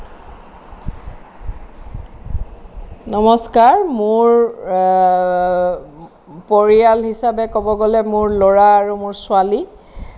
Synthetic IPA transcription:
nɔmɔskaɹmʊɹ | poɹijalɦisabɛkobɔɡolɛmʊɹloɹaːɹumʊɹsʊali

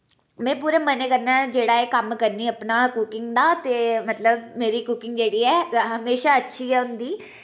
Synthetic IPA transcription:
mɛ̃ːpuːɾeːməneːkəɾnaːd͡ʒeːɽaːeːkəmkəɾniːəpnaːkukɪŋɡd̪aːt̪eːmət̪ləbmeːɾiːkukɪ̃ŋɡd͡ʒeːɽiːɛːɦəmeːʃaːətːʃʰiːɦɛːʊnd̪iː

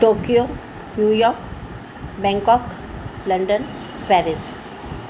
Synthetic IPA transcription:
ʈoːkio | njuːjɔːɾk | bɛ̃ŋkɔk | lə̃ɳɖən | pɛɾɪs

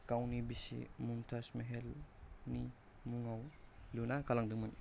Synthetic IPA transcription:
kawnibisḭmumtʰasmeɦelni | muŋawlunakalaŋdɯŋman

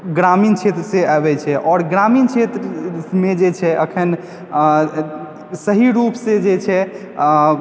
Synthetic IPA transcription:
ɡɾamint͡ʃʰet̪ɾəseabɛt͡ʃʰɛʔɔːɾɡɾamint͡ʃʰet̪ɾmed͡ʒet͡ʃʰɛʔəkʰən | səɦiɾupsẽd͡ʒet͡ʃʰɛ

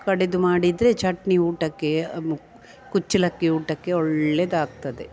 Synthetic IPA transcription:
kɐɽed̪umaːɽid̪ɾet͡ʃɐʈniuːʈɐkːe̞ | kut͡ʃːilɐkːiuːʈɐkːe̞ɔɭːed̪aːɡ̚t̪ɐd̪e̞

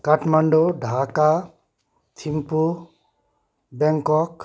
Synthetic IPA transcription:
kaʈʰmaɳɖoɖʱaka | t̪ʰimpu | bɛŋkɔk

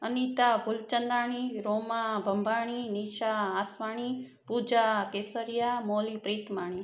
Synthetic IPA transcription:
ənit̪abʱʊlt͡ʃənd̪aːɳ̃iɾomabʱəmbʱaːɳ̃iniʃaasʋaːɳ̃i | pud͡ʒakeːsəɾijamoːlipɾet̪maːɳ̃i

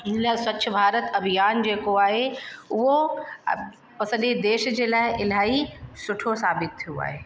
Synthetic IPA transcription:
ɪnlaːɪsɐt͡ɕʊ̆bʱaːɾət̪ɐbʱijaːnd͡ʑeːkoaːɦeʊɦo | pɐsə̃nid̪eːʃd͡ʑeːlaːɪʔɪlaːisʊʈʰosaːbɪt̪̚ʰːijoa̰ːɦeː

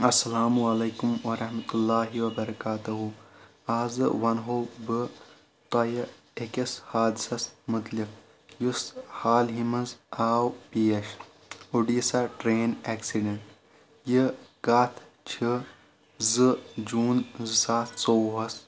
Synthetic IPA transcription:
ɐsːɐlaːmuɐlɐːkumwɐɾɐhmɐt̪ulːaːɦiwɐbɐɾɐkaːt̪ɐɦu | aːzɨ̰wɐnɦoːbɨ | t̪ɐjɐ | ekɐshaːd̪isɐsmɨt̪lik̚ | jushaːlɦimɐzaːwpijɐʃ | uɖisaʈɾeːneːksiɖɐɳʈ | jiɡaːt̪ʰ | t͡ʃʰi | zɨd͡ʒuːnzɨsaːt̪ʰsoːɦɐs

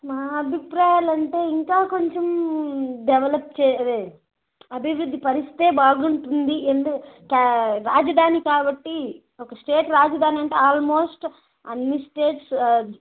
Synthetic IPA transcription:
maːɐbʱipɾaːjaːlɐɳʈe̞ːiŋkaːko̞ɲt͡ʃem | ɖɛʋɐlɐp̚t͡ʃɛːe | ɐbʱiʋɾud̪ːipɐɾist̪ʰi̥t̪eːbaːɡuɳʈund̪iend̪ukɐkaɾaːd͡ʒɐd̪ʱaːnikaːbɐʈːi | ɔkɐsʈe̞ːʈɾaːd͡ʒɐd̪ʱaːniɐɳʈeːaːlmo̞ːsʈ | ɐnmisʈeːʈs

